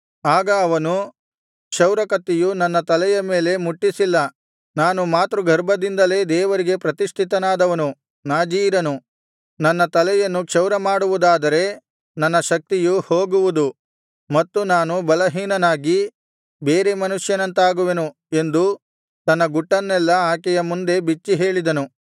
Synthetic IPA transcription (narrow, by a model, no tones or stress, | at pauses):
aːɡɐːʋɐnu | kʂɐwɾɐkɐt̪ːijunɐnːɐt̪ɐlɛjɐme̞ːle̞muʈːisilːɐ | naːnumaːt̪ɾuɡʱɐɾbʱɐd̪ind̪ɐle̞ːd̪ɛːʋɐɾiɡe̞pɾɐt̪iʂt̪ʰit̪ɐnaːd̪ɐʋɐnu | naːd͡ʒiːɾɐnu | nɐnːɐt̪ɐlɛjɐnːukʂɐwɾɐmaːɽuʋud̪aːd̪ɐɾe̞ | nɐnːɐʃɐk̚t̪ijuho̞ːɡuʋud̪u | mɐt̪ːunaːnubɐlɐɦiːnɐnaːɡi | beːɾe̞mɐnuʂjɐnɐnt̪aːɡuʋe̞nu | e̞nd̪u | t̪ɐnːɐɡuʈːɐnːɛlːɐaːkɛjɐmund̪e̞bit͡ʃːiɦe̞ːɭid̪ɐnu